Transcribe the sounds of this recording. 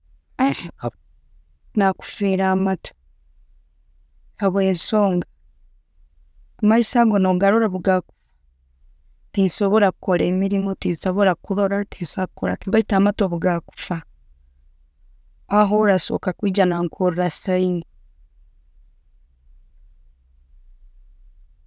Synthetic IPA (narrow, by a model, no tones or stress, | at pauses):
naku̥fiːɾaːmatʰo̥ | aβwe̞ːnso̞ːŋɡa | maisaɡonoɡaɾoɾaβuɡaku̥fḁ | tisoβo̞ɾakukolemiɾimotisoβo̞ɾakuðoɾatisak̚ukoɾa̰tiɡaitaːmatoβuɡaku̥fa | aɦoɾaso̞̰ːkakwiːd͡ʒanaŋkʰoɾɾasaini